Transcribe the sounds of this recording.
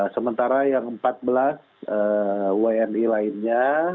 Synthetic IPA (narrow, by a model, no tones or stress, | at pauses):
səmənt̪aɾajaŋəmpat̪̚bəlas | əːwaɛnilaɪnɲa